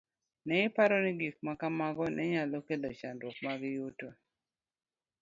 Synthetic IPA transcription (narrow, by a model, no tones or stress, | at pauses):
nɛɪpaɾɔnɪɡik̚makamaɡɔnʔɛɲalokedot͡ʃandwok̚maɡɪjuto